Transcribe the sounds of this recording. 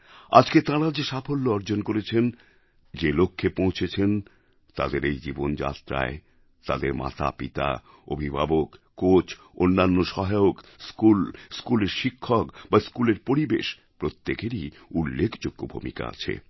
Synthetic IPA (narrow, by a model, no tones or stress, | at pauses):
a̰d͡ʑket̪ãɾad͡ʑeʃafʰolːoɔɾd͡ʑonkoɾet͡ɕʰen | d͡ʑelokʰːepõw̃t͡ɕʰet͡ɕʰen | t̪a̰d̪eɾejd͡ʑibond͡ʑa̰t̪ɾa̰e | t̪a̰d̪eɾma̰t̪ʰa̰pit̪a̰ | o̰bʱibʱabokːot͡ɕʰ | onːanːoʃɔɦajokskulskuleɾʃikʰːɔkbaskuleɾpoɾibḛʃ | pɾot̪ːekeɾi | ulːekʰd͡ʑoɡːobʱṵmḭka̰a̰t͡ɕʰḛ